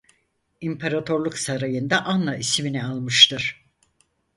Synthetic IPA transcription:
impʰeɾat̪ʰo̞ɾlˠuksaɾajɯnd̪aʔanːaisminialˠmɯʃt̪ʰɯɾ̥

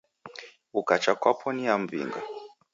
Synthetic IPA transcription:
ukat͡ʃakwapʰɔnijam̩vḭŋɡa̰

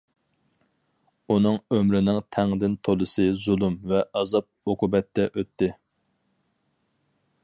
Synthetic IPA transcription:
unɨŋømɾɪnɪŋt̪ʰɛŋd̪ɪnt̪ʰolˠɨsɨzulˠumvɛʔɑzɑp̚oqʰʊbɛt̪ːɛʔøt̪ʰːɪ

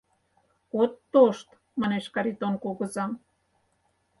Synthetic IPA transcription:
ot̪ːoʃt̪ | mɑneʃkɑɾit̪onkoɣɤ̆zɑm

